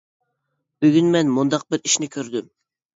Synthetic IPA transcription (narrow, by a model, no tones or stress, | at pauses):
b̥yɡʲynmɛnmund̪ɑq̚bɪɾiʃnɪkʲʰøɾd̪ym